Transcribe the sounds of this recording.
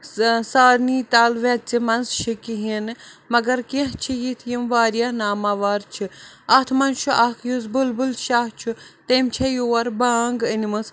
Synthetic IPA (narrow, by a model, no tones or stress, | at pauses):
saːɾniːt̪aːlʋɐt͡simɐnzʃikiɦinɨmɐɡɐɾkiɦt͡ʃʰijit̪ʰjimʋaːɾjanaːmaʋaːɾt͡ʃʰiɐt̪ʰmɐnt͡ʃʰuʔakʰjuzbulbulʃaːht͡ʃʰut̪eːmt͡ʃʰɐjuːwɐɾbaŋɡənimɨs